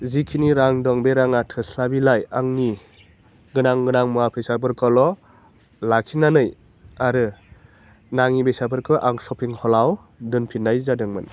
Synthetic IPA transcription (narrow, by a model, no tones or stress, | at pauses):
zikʰiniɾaŋdɔŋbeɾaŋatʰɯslabilajaŋni | ɡɯnaŋɡɯnaŋmuapʰesabʰɯɾkʰɔlɔ | lakʰinanɯj | aɾɯ | naŋibesabɯɾkʰɯʔaŋsɔpʰiŋhɔlaw | dɯnpʰinːajzadɯŋmɯ̰n